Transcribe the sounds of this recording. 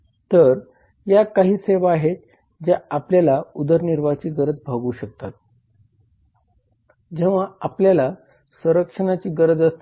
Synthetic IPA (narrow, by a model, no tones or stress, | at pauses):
t̪əɾ | jakaɦiːseʋaːɦet̪ | d͡ʑjaapljalaud̪əɾniɾʋat͡ɕiːɡəɾəd͡zbʱaɡuːɕək̚t̪at̪̚ | d͡ʑeʋaapljala | sə̃ɾəkʂəñat͡ɕiːɡəɾəd͡zəst̪